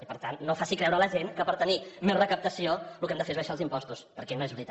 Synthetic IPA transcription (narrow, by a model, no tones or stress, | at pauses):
ipəɾt̪anːofasikɾɛwɾələʒenkəpəɾt̪ənimezrəkəp̚t̪əsiolukɛmd̪əfezəʃalˠzimpɔst̪uspəɾkɛnoezβɾit̪